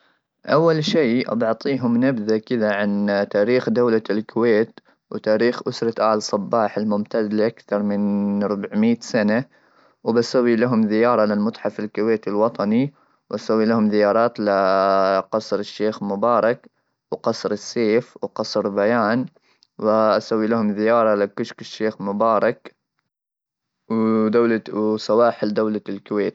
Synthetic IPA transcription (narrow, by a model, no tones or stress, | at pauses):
ʔawːalʃiːʔɑ̰bɑʕt̪ˤiːɦʊmnabðakɪðaʕant̪aːɾiːxd̪awlalkʊweːt̪ | wt̪aːɾiːxʔʊsɾˤɑʔaːlsˤɑbːɑːħɪlmʊmt̪aːd̪lɪʔakθɑɾˤmɪnɾˤʊbʕmiːt̪sana | wbasawːilaɦʊmðɪjɑːɾˤɑlɪlmʊt̪ˤħɑfɪlkʊweːt̪ɪlwɑt̪ˤɑni | wʔasawːilahʊmðɪjɑːɾˤɑːt̪lɪqɑsˤɾɪʃːeːxmʊbɑːɾˤɑk | wqɑsˤɾɪsːeːfwqɑsˤɾbajaːn | wɪʔasawːilahʊmðɪjɑːɾˤɑlɪkʊʃkɪʃːeːxmʊbɑːɾˤɑk | wd̪awlawsawɑːħɪld̪aːlalkʊweːt̪